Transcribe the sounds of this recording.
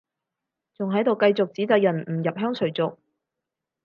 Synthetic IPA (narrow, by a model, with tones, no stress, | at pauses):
t͡sʊ˨ŋɦɐ˨˥jt̪o˨wkɐ˧jt͡sʊ˨k̚t͡siː˨˥t͡s̪ɐ˨k̚jɐ˨˩nm̩˨˩jɐ˨p̚ɦœː˥ŋt͡sʰɵ˨˩ɥt͡sʊ˨k̚